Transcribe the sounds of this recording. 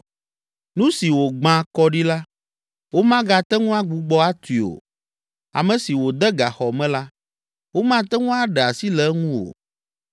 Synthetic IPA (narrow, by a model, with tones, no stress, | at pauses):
nũ˦si˨wo˨ɡ͡bã˨kɔ˦ɖi˦la˦ | wo˦mã˦ɡa˨t̪ɛ˦ŋũ˦a˦ɡ͡bu˨ɡ͡bɔ˦a˦t̪i˨o̰˨ | a̰˨mɛ̃˨si˨wo˨d̪ɛ˦ɡa˨xɔ˨mɛ̃˦la˦ | wo˦mã˦t̪ɛ˦ŋũ˦a˦ɖɛ˨a˨si˦lɛ˦ŋũ˦o̰˨